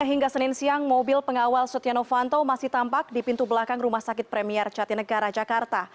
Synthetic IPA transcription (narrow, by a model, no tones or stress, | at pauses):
aɦiŋɡasənɪnsiaŋmobɪlpəŋawalsɔt̪ijanofant̪omasɪht̪ampak̚dipint̪ubəlakaŋrumahsakɪt̪̚pɾɛmiɛrt͡ʃat̪inəɡaɾad͡ʒakart̪a